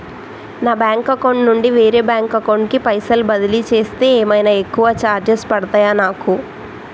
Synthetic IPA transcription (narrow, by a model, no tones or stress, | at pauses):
naːbaːŋkɐkoɳɖnuɳɖiʋeːɾeːbjaːŋkɐkoɳɖkipɐjsɐlbɐd̪ilit͡ʃe̞ːst̪e̞ːɛːmɐjnaekːuʋɐt͡ʃaːɾd͡ʒespɐɽɐt̪aːjaːnaːku